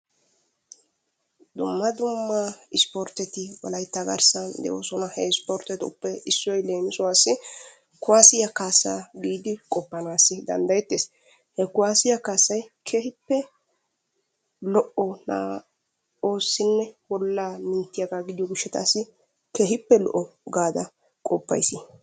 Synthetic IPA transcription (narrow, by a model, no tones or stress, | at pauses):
d̪ʊmːɐd̪ʊmːɐɪspɔɾt̪ɛt̪ɪwɔ̰lɐjt̪ːɐɡɐ̰ɾsɐnd̪ɛ̰ʔo̰sɔnɐhɛɪspɔɾt̪ɛt̪ʊ̰pːɛɪsːɔjle̞ːmɪsɔwaːsːɪ | kʊwaːsɪjɐkaːsaːɡiːd̪ɪkʼɔpːɐnaːsːɪd̪ɐ̰nd̪ɐjɛt̪ːeːs | hɛkʊwaːsɪjɐkaːsːɐjkʰeːhɪpːɛ | lɔʔɔna̰ː | o̞ːsːɪnːɛwɔlːaːmɪnt̪ːɪjɐɡaːɡɪd̪ɪjɔɡʊʃːɛt̪a̰ːsːɪ | keːɦɪpːɛlɔ̰ʔɔɡaːd̪ɐ | kʼɔpːɐ̰jsɪ